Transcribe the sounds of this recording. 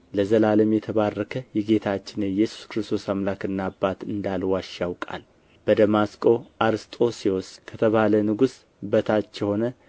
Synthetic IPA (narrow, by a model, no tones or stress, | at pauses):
ləzəlaləmjɛt̪ʰəβarːəkʰəjɛɡe̞t̪ʰat͡ʃːɪnɨjɛsu̥skɾɨst̪ʰo̞samlakɨnːabːat̪ɨnd̪alwaʃːawkʼa̰l | b̥əd̪əmaskʼo̞ʔaɾst̪ʼo̞siwɔskʰət̪ʰəβalənɨɡus | bət̪ʰat͡ʃːɛho̞nə